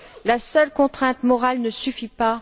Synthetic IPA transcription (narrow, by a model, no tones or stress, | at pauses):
lasœlkɔ̃t̪χɛ̃t̪mɔʁalnəsyfipa